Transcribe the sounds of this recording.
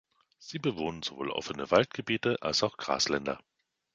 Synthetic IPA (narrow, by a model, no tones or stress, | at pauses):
z̥iːbəvoːnənzovo̰ːlʔɔ̰fənəvaltɡ̥əbiːtəʔalsaʊxɡ̥ʁa̰ːslɛndɐ